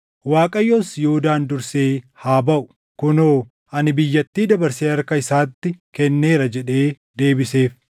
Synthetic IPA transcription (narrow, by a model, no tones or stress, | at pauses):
waːkʼɐjːosjʊhʊd̪aːnd̪ʊɾseːhaːbɐʔʊ | kʊnoː | ʔɐnɪbɪjːɐt̪ːiːd̪ɐbɐɾseːɐɾkɐɪsaːt̪ːɪkɛnːe̞ːɾɐd͡ʒɛᶑe̞ː | d̪e̞ːbɪse̞ːf